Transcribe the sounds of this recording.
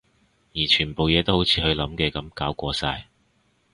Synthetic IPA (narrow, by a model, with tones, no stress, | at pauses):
jiː˨˩t͡ʃʰyː˨˩npo˨wjɛː˨˧t̪o˥who˨˥wt͡sʰiː˨˧hɵ˧ɥlɐ˨˧˥mkɛː˧kɐ˨˥mkaː˨˥wkʷɔː˨˧saː˧j